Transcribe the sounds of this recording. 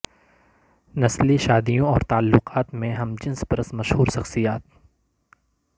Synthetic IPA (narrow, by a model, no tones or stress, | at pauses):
nɐsliʃaːd̪ijõɔːɾt̪aːlːʊqaːt̪mẽɦɐmd͡ʒɪ̃nsbɐɾəsmɐʃhuːɾʃɐxsijaːt̪̚